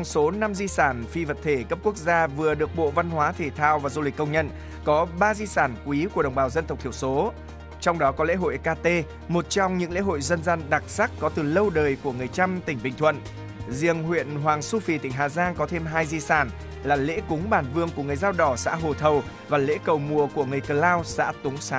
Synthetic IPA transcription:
ŋ͡mso˨˦na˧mzi˧saː˧˩nfi˧və˨˩t̚t̪ʰe˧˩kə˦˥p̚ku˦˥ək̚zaː˧vɨ˨˩əɗɨ˨˩ək̚ɓo̰˧˨va˧nhwaː˨˦t̪ʰe˧˩t̪ʰaː˧wvaː˨˩zu˧li˨˩k̟̚ːə˧wŋ͡mɲə̰˧˨n | kɔ˨˦ɓaː˧zi˧saː˧˩nkwi˨˦ku˧˩əɗə˨˩wŋ͡mɓaː˨˩wzə˧nt̪ə˨˩w̚t̪ʰəwso˨˦ | t͡ɕɔ˧wŋ͡mɗɔ˨˦kɔ˨˦lḛ˧˥ɦo̰˧˨jkaː˧t̪e˧ | mo˨˩t̚t͡ɕɔ˧wŋ͡mɲɨ̰˧˥ŋlḛ˧˥ɦo̰˧˨jzə˧nza˧nɗa˨˩k̚sa˦˥k̚kɔ˨˦t̪ɨ˨˩lə˧wɗəː˨˩jku˧˩əŋɨ˨˩əjt͡ɕa˧mt̪ï˧˩ŋ̟ɓï˨˩ŋ̟t̪ʰwə̰˧˨n | zḭ˧˩əŋɦwḭ˧˨ənɦwaː˨˩ŋsu˧fi˨˩t̪ï˧˩ŋ̟ɦaː˨˩zaː˧ŋkɔ˨˦t̪ʰe˧mɦaː˧jzi˧saː˧˩n | laː˨˩lḛ˧˥kʊ˨˦ŋ͡mɓaː˧˩nvɨ˧əŋku˧˩əŋɨ˨˩əjzaː˧wɗɔ˧˩sa̰ː˧˥ɦo˨˩t̪ʰə˨˩w | vaː˨˩lḛ˧˥kə˨˩wmu˨˩əku˧˩əŋɨ˨˩əjkəː˨˩laː˧wsa̰ː˧˥t̪ʊ˨˦ŋ͡msaː˨˦

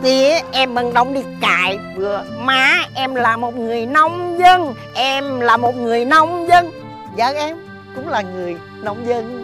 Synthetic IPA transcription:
t̪i˨˩ʔɛ˧mɓə˧˩ŋɗə˨˧wŋ͡mɗi˧˩kaː˧˨jvɨ˨˧˩əmaː˨˦ʔɛ˧mlaː˨˩mo˨˩t̚ŋɨ˨˩əjnɔ˧wŋ͡mzə˧n | ʔɛ˧mlaː˨˩mo˨˩t̚ŋɨ˨˩əjna˧wŋ͡mzə˧n | zəː˧˨˦ʔɛ˧m | kʊ̰˧˥ŋ͡mlaː˨˩ŋɨ˨˩əj | na˧wŋ͡mzə˧n

